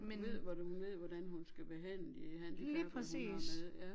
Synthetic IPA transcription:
mʋe̝ð̰ˠʋɒhunʋe̝ð̰ˠʋɒdænɦunsɡ̥æb̥eɦæn̰əhæn̰d̥iliːpʰʁɛsḭːseððˠjæ

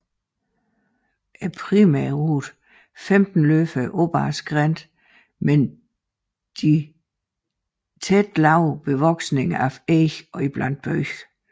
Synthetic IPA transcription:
ʔæpʰʁimɛɐʁuːd̥ˠ | femd̥n̩løfəʔob̥ɑːsɡ̥ʁɛnd̥ | men | d̥i | t͡sʰed̥lɑ̈ʊ̰b̥e̝ʋɒɡ̥sne̝ŋæfeçɒ̽ib̥læn̰d̥̚b̥œç̥

